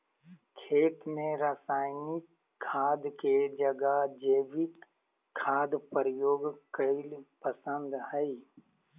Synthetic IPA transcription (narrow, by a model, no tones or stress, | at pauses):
kʰeːt̪mẽɾasaːɪnikʰː | aːd̪ked͡ʒəɡad͡ʒeːʋɪkʰː | aːd̪pəɾjoːɡkəɪlpəsə̃nd̪hɛi